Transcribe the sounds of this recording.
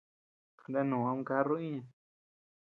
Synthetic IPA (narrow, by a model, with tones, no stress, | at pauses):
knda˦nũː˨ã˧ũ˦˧˦ka˦ro˦i˦ɲã˧